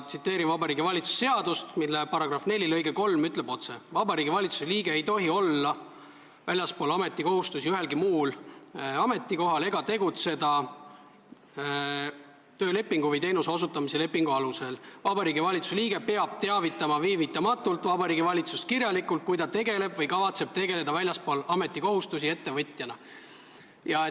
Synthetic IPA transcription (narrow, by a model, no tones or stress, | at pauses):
t̪sit̪ːˑe̞ːɾinvɑbɑɾiːɡivɑlʲit̪su̥se̞ɑd̪̥ust̪milːepɑɾɑɡ̥rɑfne̞lʲilɤjɡeko̞lmyt̪le̞b̥o̞t̪se̞vɑbɑɾiːɡivɑlʲit̪su̥seliːɡ̥e̞ejt̪o̞ɦio̞lːɑ | vælʲjɑspo̞ːlɑme̞t̪ːˑiko̞ɦust̪usiyɦe̞lɡimuːlɑme̞t̪ːˑiko̞ɦɑle̞ɡɑt̪e̞ɡut̪se̞d̪ɑ | t̪ø̞ːle̞pːˑiŋɡ̥uvɤjt̪e̞jnuseo̞s̬ut̪ːˑɑmise̞le̞pːˑiŋɡ̥uɑluse̞lvɑbɑɾiːɡivɑlʲit̪suseliːɡ̥e̞pe̞ɑb̥̚t̪e̞ɑvit̪ːˑɑmɑviːvit̪ːˑɑmɑt̪ːˑult̪ːˑvɑbɑɾiːɡivɑlʲit̪sust̪̚kirjɑlikːˑult̪̚kujd̪ɑt̪e̞ɡe̞le̞b̥vɤjkɑvɑt̪se̞b̥̚t̪e̞ɡe̞le̞d̪̥ɑvælʲjɑspoːlɑme̞t̪ːˑiko̞ɦust̪usie̞t̪ːe̞vɤt̪ʲˑjɑnɑ | jɑe